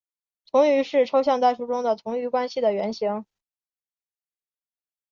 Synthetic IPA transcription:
t̪ʰʊ˧˥ŋy˧˥ʂɻ̩˥˩ʈ͡ʂʰo˥ʊɕjɑ˥˧ŋt̪a˥˩ɪʂu˥ʈ͡ʂʊ˥ŋd̪ə˨t̪ʰʊ˧˥ŋy˧˥kwa˥nɕi˨˩d̪ə˩ɥɛ˧˥nɕi˧˥ŋ

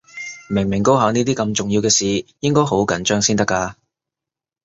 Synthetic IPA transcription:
mɪ˨˩ŋmɪ˨˩ŋko˥wɦaː˨˧˥ŋniː˥t̪iː˥kɐ˧mt͡ʃʊ˨ŋji˧wkɛː˧siː˨jɪ˥ŋkɔː˥jho˨˥wkɐ˨˥nt͡ʃœː˥ŋsiː˥nt̪ɐ˥kːaː˧

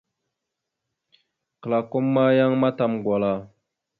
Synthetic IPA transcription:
kə˨la˨ko˦mːa˦ja˦ŋma˦ta˨mɡwa˨la˦˨

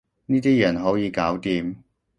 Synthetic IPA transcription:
niː˥t̪iː˥jɐ˨˩nɦo˨˥wjiː˨˧kaː˨˥wt̪iː˨˧m

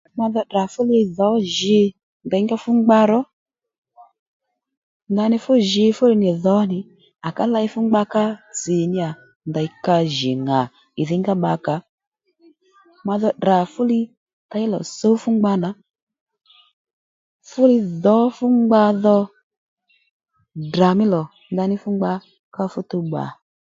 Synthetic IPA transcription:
ma˧ðɔ˧da˨fʊ˦lɪ˧ðɔ˨˦ʒɪ˧ | nda˨˦ŋɡa˦fʊ˦ŋ͡mɡ͡ba˧ɾɔ˦ | ŋɡa˧˨nɪ˧fʊ˦ʒɪ˧fʊ˦lɪ˧nɪ˨ðɔ˨˦nɪ˨ | a˨ka˦la˧˦i˦fʊ˦ŋ͡mɡ͡ba˧ka˦t͡si˨nɪ˧a˨ | nda˨i˨ka˧ʒɪ˨ŋa˨ | ɪ˨ðɪ˦ŋɡa˦ɓa˧ka˨ | ma˧ðɔ˧dɾa˨fʊ˦lɪ˧ | ta˧˦i˦lɔ̰˨so˦fʊ˦ŋ͡mɡ͡ba˧na˨˦ | fʊ˦lɪ˧ðɔ˨˦fʊ˦ŋ͡mɡ͡ba˧ðɔ˧ | dra˨mɪ˦lɔ˨ | ŋɡa˧nɪ˦fʊ˦ŋ͡mɡ͡ba˧ | ka˦fʊ˦tu˧ɡ͡ba̰˨

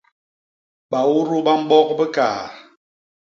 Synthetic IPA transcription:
ɓa˨wu˦ɾu˦ɓa˦m̩˦ɓɔ˦kbə˦ka̰ː˨

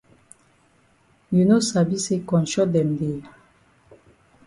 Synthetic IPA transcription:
ju˨no˦sa˨bi˦se˦kɔ̃˨nʃɔ˦d̪ɛ˨nd̪e˨a˨

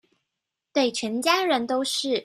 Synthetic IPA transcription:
t̪we˥˩ɪt͡ɕʰɥɛ˧˥nt͡ɕja˥ɻə˧˦nt̪o˥ʊʂɻ̩˥˩

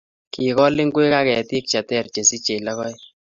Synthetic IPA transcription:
ki˨kɔ˦lɪ˦ŋɡwe˦ka˦kɛ˨ti˦k̚t͡ʃa˨tɛ˦˨rt͡ʃe˨si˦t͡ʃe˨la˦kɔ˦j

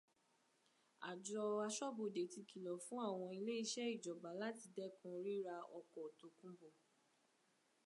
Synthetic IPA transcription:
a˨d͡ʒɔ˧a˧ʃɔ˦bo˨de˨ti˧ki˨lɔ˨fũ˨˦a˦˨w̃ɔ̃˧i˧le˦i˦˧ʃɛ˦i˦˨d͡ʒɔ˨ba˨˦la˦ti˧dɛ˦kũ˧ɾi˦ɾa˧ɔ˧kɔ˨to˧kũ˦bo˦˨

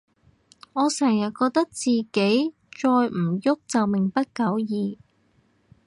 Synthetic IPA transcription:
ŋɔː˨˧sɛː˨˩ŋjɐ˨˩t̚kɔː˧k̚t̪ɐ˥k̚t͡siː˨ke˨˥j | t͡ʃɔː˧jm̩˨˩jʊ˥k̚t͡sɐ˨wmɪ˨˩ŋpɐ˥t̚kɐ˨˥wjiː˨˧

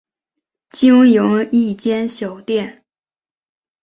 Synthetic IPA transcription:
t͡ɕi˥ŋjʊ˧˥ŋi˥˩t͡ɕjɛ˥nɕjɑ˨˩ʊt̪jɛ˥˩n

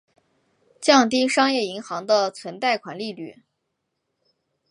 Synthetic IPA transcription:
t͡ɕjɑ˥˩ŋt̪̬i˥ʂɑ˥ŋjɛ˥˩i˧˥ŋxɑ˧˥ŋd̪ə˧t͡sʰwə˧˥nt̪a˥˩ɪkʰwa̰˨˩nli˥˧ly˥˩

